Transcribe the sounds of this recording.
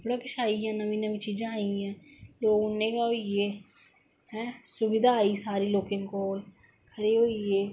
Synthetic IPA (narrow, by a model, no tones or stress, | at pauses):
bɽaːkɪʃaːiãːnəʋĩːnəʋĩːt͡ʃiːd͡ʒãːaːiãːloːɡʊnẽːkaɦoieː | hɛ̃ːsʊbɪd̪aːaːiːsaːɾiːloːkɪ̃ŋkoːl | kʰəɾeːɦoːieː